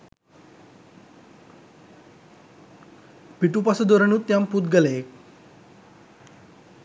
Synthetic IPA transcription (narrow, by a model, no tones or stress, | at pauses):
piʈupasəd̪oɾənuːt̪ːjamput̪ɡəlek̚